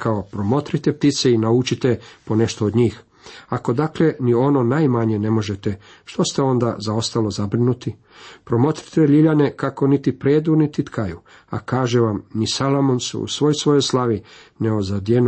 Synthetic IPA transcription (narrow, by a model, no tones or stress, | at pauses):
kʰao̞pɾomo̞t̪ɾit̪ep̚t̪it̪seinaut͡ʃit̪epo̞ne̞ʃt̪oːd̪ɲiːx | ako̞d̪aklenio̞no̞naːjmaɲe̞ne̞mo̞ʒet̪e | ʃt̪o̞st̪eo̞nd̪a̰zao̞st̪alo̞zabɾinut̪i | pɾo̞mo̞t̪ɾi̥t̪eʎiʎane̞kako̞nit̪ipɾeːd̪unit̪it̪kʰaju | a̰kaːʒeʋamnisalˠomonsṵṵsʋo̞jsʋo̞jojslˠaʋineozad̪jen